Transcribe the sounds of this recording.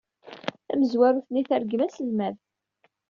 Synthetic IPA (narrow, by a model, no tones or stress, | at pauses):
θæməzwæɾuθniθæɾɡəmæsəlmæð